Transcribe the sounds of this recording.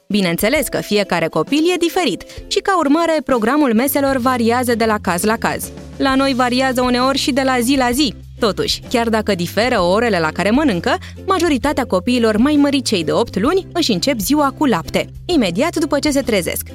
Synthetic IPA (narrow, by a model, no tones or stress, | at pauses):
bine̞ɨnt̪se̞le̞skə̰fije̞kaɾe̞ko̞pilje̞d̪ife̞ɾit̪ʃikaurmaɾe̞pɾo̞ɡɾamulme̞se̞lo̞rvaɾiazəd̪e̞lakazlaka̰z̥ | lano̞jvaɾiazəune̞o̞rʲʃid̪e̞lazilazi | t̪o̞t̪uʃʲkʲard̪akəd̪ife̞ɾəo̞ɾe̞le̞lakaɾe̞mənɨŋkə | maʒo̞ɾit̪at̪eako̞piːlo̞rmajməɾit͡ʃe̞jd̪e̞o̞pt̪lunʲɨʃɨnt͡ʃe̞p̬ziwakulapt̪e̞ | ime̞d̪iat̪d̪upət͡ʃe̞s̬e̞t̪ɾe̞ze̞̰sk